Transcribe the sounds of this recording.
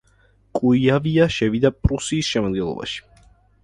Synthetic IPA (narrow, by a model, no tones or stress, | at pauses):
kʼuiaviaʃɛvid̪apʼɾusiːsʃɛmɔd̪ɡɛlˠɔ̰ba̰ʃi̥